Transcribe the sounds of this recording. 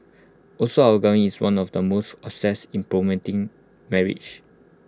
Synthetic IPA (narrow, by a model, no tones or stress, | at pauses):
ʔɔsoawəɡãŋiswãnɔfdəmostɔpsɛsĩmpɹɔmɛ̃ntĩŋ | mɛɹḭd͡ʒ